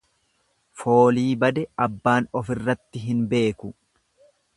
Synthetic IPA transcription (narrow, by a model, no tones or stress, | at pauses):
fo̞ːliːbɐd̪ɛɐbːaːnɔfɪrːɐt̪ːɪɦɪnbe̞ːkʊ